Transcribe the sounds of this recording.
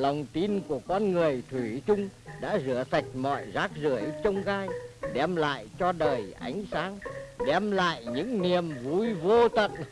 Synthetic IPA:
lə˨˩wŋ͡mt̪i˧nku˧˩əkɔ˧nŋɨ˨˩əjt̪ʰwi˧˩t͡ɕʊ˧ŋ͡mɗa̰ː˧˥zɨ˧˩əsa˨˩jk̟̚mɔ̰˧˨jzaː˦˥k̚zɨ˧˩əjt͡ɕə˧wŋ͡mɣaː˧jɗɛ˧mla̰ː˧˨jt͡ɕɔ˧ɗəː˨˩jʔa̰˨˦jŋ̟saː˨˦ŋɗɛ˧mla̰ː˧˨jɲɨ̰˧˥ŋni˨˩əmvu˨˧˩jvo˧t̪ə̰˧˨n

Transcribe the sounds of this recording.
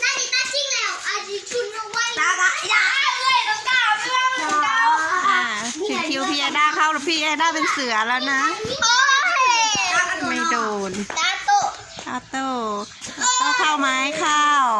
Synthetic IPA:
naː˥˩ni˧˩t̪aː˥˩ki˧˩ŋlɛː˦˧˥wʔa˧˩i˧˩kʰu˧˩nɔ˧wa˧˥˩ja˧a˧˨˧ka˧ | a˧ʔaː˧˩ | t͡ɕʰɯ˨˩˧kʰi˧wpʰiː˧˩ʔa˧daː˧˥˩kʰa˧˥˩wla˧˥pʰiː˧˩ʔaː˧daː˥˩pe˧nsɯ˨˩˦ɐlɛː˦˥˩wna˦˥˦ | ma˥˩jdoː˧˩na˧˥t̪o˧˩ | a˧˩t̪oː˧˩ | ka˧˩k̪ʰa˧˥˩wma˦˥jkʰaː˥˩w

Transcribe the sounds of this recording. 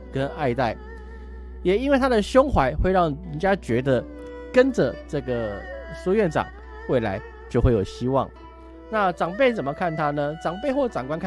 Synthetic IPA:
kə˦˥na˥˧ɪt̪a˥˩ɪ | jɛ˨˩i˥nwe˥˩ɪt̪ʰa˥d̪ə˨ɕjʊ˥ŋxwa˧˦ɪxwe˥˧ɪɻɑ˥˩ŋə˧˦nt͡ɕja˦t͡ɕɥɛ˧˥d̪ə˧˨ | kə˦˥nd͡zə˨ʈ͡ʂɤ˥˩ɡə˩so˥ɥɛ˥˩nʈ͡ʂɑ̰˨˩˦ŋ | we˥˩ɪla̰˧˦ɪ | t͡ɕjo˥˧xwe˥˩jo˨˩ʊɕi˦˥wɑ̰˥˨ŋ | na˥˨ʈ͡ʂɑ˨˩ŋpe˥˩ɪt͡sə˨˩mə˦kʰa˥˩nt̪ʰa˥nə˨ʈ͡ʂɑ˨˩ŋpe˥˧ɪxwɔ˥˩ʈ͡ʂɑ˨˩ŋkwa˥nkʰ

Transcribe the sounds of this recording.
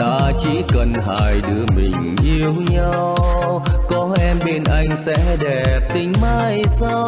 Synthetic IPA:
a̰ː˧˥t͡ɕḭ˧˥kə˨˩nɦaː˨˩jɗɨ˨˧˦əmï˨˩ŋ̟ʔi˧əwɲa˧www | kɔ˨˦ʔɛ˧mɓe˧nʔa˧jŋ̟sɛ̰˧˥ɗɛ˨˩p̚t̪ï˨˦ŋ̟maː˧jsaː˧

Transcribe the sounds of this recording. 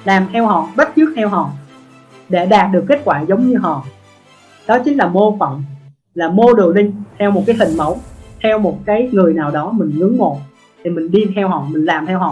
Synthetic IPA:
laː˨˩mt̪ʰɛ˧whɔ̰˧˨ɓə˦˥t̚t͡ɕɨ˦˥k̚t̪ʰɛ˧wɦɔ̰˧˨ | ɗḛ˧˩ɗaː˨˩t̚ɗɨ˨˩əkːe˦˥t̚kwaː˧˩zə˨˦wŋ͡mɲɨ˧ɦɔ̰˧˨ | ɗɔ˨˦t͡ɕï˨˦ŋ̟laː˨˩mo˧fɔ̰˧˨wŋ͡m | laː˨˩mo˧ɗɨ̰˨˩əlï˧ŋ̟t̪ʰɛ˧wmo˨˩kaː˨˦jhï˨˩ŋ̟mə˧˦wŋ͡mt̪ʰɛ˧wmo˨˩t̚kaː˨˦jŋɨ˨˩əjnaː˨˩wɗɔ˨˦mï˨˩ŋ̟ŋɨ˨˦əŋŋo̰˧˨n | t̪ʰi˨˩mï˨˩ŋ̟ɗi˧t̪ʰɛ˧wɦɔ̰˧˨mï˨˩ŋ̟laː˨˩mt̪ʰɛ˧wɦɔ̰˧˨

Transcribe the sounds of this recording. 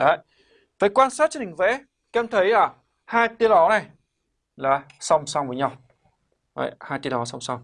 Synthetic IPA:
ɗaː˨j | vəː˨˩jkwaː˧nsaː˦˥t̚t͡ɕi˧˨˩ï˨˩ŋ˩vɛ̰˧˥ | kɛ˧˩mt̪ʰə˨˦jʔəː˧˩ | haː˧jt̪i˧əlɔ˨˦na˨˩j | laː˨˩ | sa˧wŋ͡msa˧wvəː˨˦ɲa˧w | ʔə̰˧˨jhaː˧jt̪i˧nlɔ˨˦sɔ˧wŋ͡msa˧wŋ͡m

